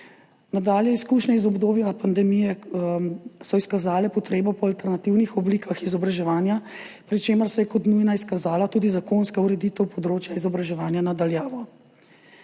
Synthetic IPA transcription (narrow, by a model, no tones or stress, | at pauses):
nad̪aːljɛiskuːʃnɛizɔbd̪oːbjapand̪ɛmijɛ | sɔiskazaːlɛpɔt̪ɾeːbɔpɔalt̪ɛɾnat̪iwnixɔblikʰaxizɔbɾaʒɛʋaːnja | pɾit͡ʃeːməɾsɛjɛkɔt̪nujnaiskazaːlat̪uːd̪izakonskauɾɛd̪iːt̪ɛwpɔd̪ɾoːt͡ʃjaizɔbɾaʒɛʋaːnjanad̪aljaːʋɔ